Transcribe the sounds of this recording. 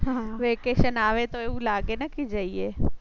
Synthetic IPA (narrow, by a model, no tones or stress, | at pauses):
ɦaʋekeʃənaʋet̪oeʋũlaɡenəked͡ʒəie